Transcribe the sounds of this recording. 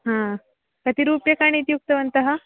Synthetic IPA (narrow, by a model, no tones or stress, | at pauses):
ɦã | kət̪iɾuːpjɐkaɽ̃it̪juk̚t̪əʋənt̪ɐɦa